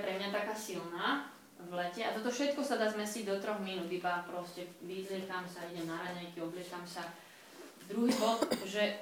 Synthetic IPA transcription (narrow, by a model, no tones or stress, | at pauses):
pɾɛmɲat̪akaːsilnaː | ʋlɛcɛat̪ɔt̪ɔfʃɛt̪kɔsad̪aːzmɛsiɟd̪ɔt̪ɾɔɣminuːd̪ibapɾɔscɛʋid̪lɪɛkamsaiɟɛmnaɾaɲɛjkiɔblɪɛkamsa | d̪ɾuɦibɔʒɛ